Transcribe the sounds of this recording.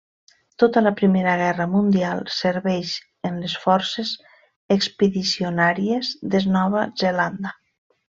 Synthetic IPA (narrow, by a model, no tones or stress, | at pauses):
t̪ot̪ələpɾimeɾəɣ̞ɛrəmund̪ialˠseɾβɛʃ | ənlesfɔɾsez | ekspeðisionaɾiezðeznɔβ̞azeland̪a